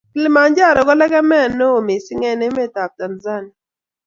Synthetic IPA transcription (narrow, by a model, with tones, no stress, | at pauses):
kɪ˦lma˨nd͡ʒa˦˨ɾɔ˨ɡɔ˦lɛ˦ɡɛ˦mɛ˦˨nːo˦o˨mi˨si˦ŋɛ˦nɛ˦mɛ˦ta˨p̚ta˨nza˦˨ni˨